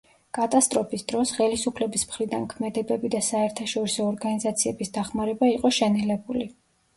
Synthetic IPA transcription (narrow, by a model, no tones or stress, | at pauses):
kʼat̪ʼast̪ʼɾɔpʰisd̪̥ɾɔsχɛlisupʰlɛbismχɾid̪ankʰmɛd̪ɛbɛbid̪asaɛɾt̪ʰaʃɔɾisɔːɾɡanizat̪sʰiɛbisd̪aχmaɾɛbaiqʼɔʃɛnɛlɛbuli